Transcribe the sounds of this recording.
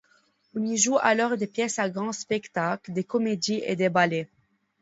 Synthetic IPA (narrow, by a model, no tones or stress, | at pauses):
ɔ̃niʒua̰lɔʁd̪epjɛsaɡʁɑ̃spɛkt̪akld̪ekɔmed̪iʔḛd̪ebale